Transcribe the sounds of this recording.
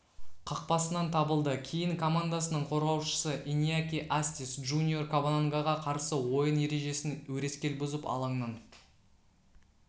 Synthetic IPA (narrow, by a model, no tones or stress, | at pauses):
qʰɑq̚pɑsənɑnt̪ʰɑbəlˠd̪əkʲʰejɪŋkʰo̞mand̪asənəɴqʰo̞ɾʁɑwʃə̥səʔinʲijakʲiʔasʲt̪isʒunʲiorkobanaŋɡaʁɑqʰɑɾsəwo̞jənje̞ɾe̞ʒe̞sɪnwɵɾe̞skʲe̞lbʊzəpɑ̰lˠɑɴnɑn